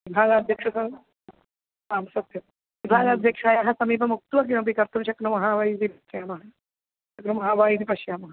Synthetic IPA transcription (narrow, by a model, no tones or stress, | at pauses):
ibʱaːɡaːd̪ʱjɐkʂɐsɐ | aːmsɐt̪jɐ | ʋibʱaːlaːd̪ʱjɐkʂaːjaɦɐsɐmiːbʱɐmuk̚t̪uʋɐkinɐ̃bikɐɾt̪ʰumʃɐknumɐɦaːʋaːjid̪ipɐkjaːmɐɦɐ | ʃɐkɾɐmɐɦaːʋaːjid̪ipɐʃjaːmɐɦɐ